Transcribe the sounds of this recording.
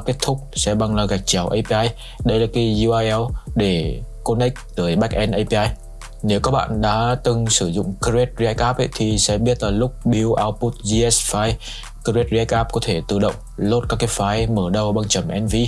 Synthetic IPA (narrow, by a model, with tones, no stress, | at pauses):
ke˦˥t̚t̪ʰʊ˦˥k͡p̚sɛ̰˧˥ɓa˧ŋlaː˨˩ɣa˨˩jk̟̚t͡ɕa˨˩wʔə˧jpʔaː˧j | ɗə˧jlaː˨˩kaː˨˦jzu˧aː˧jʔɛ˧wɗe˧˩ko˧nɛ˦˥k̚t̪əː˧˩jɓa˦˥k̚ʔɛ˧nʔə˧jpi˧ʔaː˧j | ne˨˦wkɔ˨˦˥ɓa̰ː˧˨nɗa̰ː˧˥t̪ɨ˨˩ŋsɨ˧˩zʊ̰˧˨ŋ͡mkə˧ɾe˦˥t̚zi˧ʔɛ˦˥k̚ʔaː˦˥p̚ʔə̰˧˦jt̪ʰi˨˩sɛ̰˧˥ɓi˦˥ət̚laː˨˩lʊ˦˥k͡p̚ɓi˨˦wʔaː˧wpu˦˥t̚zi˧ʔɛ˦˥sfaː˧j | kə˧ɾe˦˥t̚zi˧ɛ˦˥k̚ʔaː˦˥p̚kɔ˨˦t̪ʰe˧˩t̪ɨ̰˨˧˩ɗə̰˧˨wŋ͡mlo˦˥t̚ka˦˥kːaː˨˧˦jfaː˨˦jməː˧˩ɗə˧˩wɓa˧ŋt͡ɕə˨˩mʔɛ˧nvi˧